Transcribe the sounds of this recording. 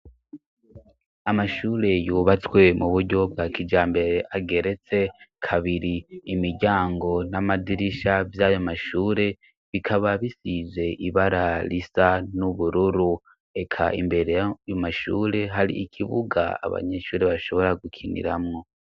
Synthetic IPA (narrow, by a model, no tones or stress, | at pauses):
amaʃuːɾe̞juːβat͡swe̞muβuɾɟo̞bɡaːkid͡ʒaːmbe̞ɾe̞ʔaɡe̞ɾe̞t͡se̞kʰaβiɾiːmiɾɟaːŋɡo̞namadiɾiʃavjajomaʃuːɾe̞ | βikʰaβaβisize̞ʔiβaɾalisanuβuɾuɾu | e̞kʰa̰ʔḭmbe̞ɾe̞jjomaʃṵːɾe̞ɦaɾḭikʰiβuɡa̰a̰βa̰ɲe̞ʃuːɾe̞βaʃo̞βo̞ɾaɡukʰinḭɾamŋo̞